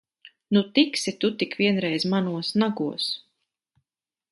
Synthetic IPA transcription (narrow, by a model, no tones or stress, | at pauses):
nut̪iksit̪ut̪ikvʲiɛnɾɛjzmanuɔsnaɡuɔs